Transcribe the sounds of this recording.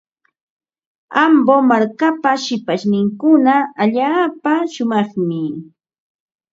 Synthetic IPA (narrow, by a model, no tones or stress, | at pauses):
ambomaɾkapaʃɪpaʃnɪŋkʊnaaʎaːpaʃʊmɑχmɪ